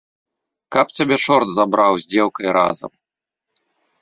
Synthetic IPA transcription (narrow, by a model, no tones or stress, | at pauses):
kɐpt͡sʲabʲɛt͡ʂɔrd̪zabɾawzʲd͡zʲɛwˠkɐjɾa̰zɐ̰m